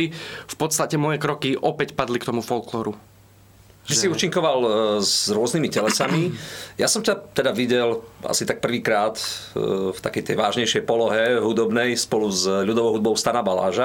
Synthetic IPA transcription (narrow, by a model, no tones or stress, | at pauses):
ifpɔt̪st̪acɛmɔjɛkɾɔkiʔɔpɛcpad̪likt̪ɔmufɔlklɔɾu | isiuːt͡ʃiŋkɔʋalzɾʊɔznimicɛlɛsamijasɔmcat̪ɛd̪aʋiɟɛla̰sit̪ak̚pr̩ʋiːkɾaːt̪ | ft̪akɛjt̪ɛjʋaːʒɲɛjʃɛjpɔlɔɦɛɦud̪ɔbnɛjspɔluzʎud̪ɔʋɔʊɦud̪̚bɔʊst̪anabala̰ːʒa